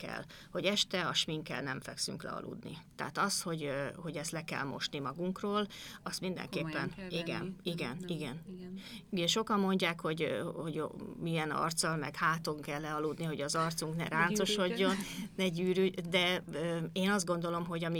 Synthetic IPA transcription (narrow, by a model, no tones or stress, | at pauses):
kɛ̰l | ho̞ɟɛʃt̪ɛɒʃmiŋkɛ̰lnɛɱfɛ̰ksy̰ŋklɛ̰ɒ̰lʔṵd̪nḭt̪ɛ̰ːt̪ɒst̪ho̞ɟho̞ɟɛst̪lɛkɛ̰lmo̞̰ʃnimɒɡuŋkroːlɒst̪mind̪ɛ̰ŋkeːpːɛniɡɛ̰niɡɛniɡɛn | ɛʃo̞kɒmːo̞ɲɟaːkho̞ɟhoɟmiɛnɒ̰rt̪sɒlmɛkhaːt̪o̞ŋkɛlːɛɒluːd̪niɦo̞ɟɒzɒrt̪suŋknɛ̰ɾaːnt̪so̞ʃo̞ɟːo̞nnɛɟyːɾyd̪ɛøːeːnɒzd̪̚ɡo̞nd̪o̞lo̞mɦo̞ɟɒmi